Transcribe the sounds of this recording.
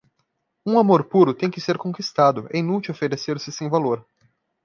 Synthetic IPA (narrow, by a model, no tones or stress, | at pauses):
ũamoɾpuɾʊt̪ẽj̃kɪseɾkõkist̪ad̪ʊḛ̃ĩnut͡ʃiwofeɾeseɾsɪsẽj̃valoɾ